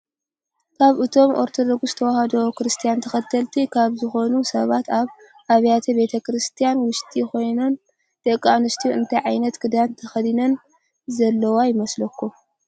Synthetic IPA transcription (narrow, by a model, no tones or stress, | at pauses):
kʰaβʔɨt̪ʰo̞mʔoɾt̪ʰo̞d̪o̞ɡst̪ʰɐwahɐd̪ɐwokɾɨst̪ʰijant̪ʰɐxɐt̪ʰːɐlt̪ʰikʰaβzɨxo̞nusɐβat̪ʰaβ | ʔaβjat̪ʰɐbe̞t̪ʰɐkɨɾɨst̪ʰijanwʊʃt̪ʰʼiko̞jnon | d̪̥ɐkʼːanɨst̪ʰiuɨnt̪ʰajʕajnɐt̪kʰɨd̪ant̪ʰɐxɐd̪inɐn | zɐlːɐwajɪmɐslɐkːu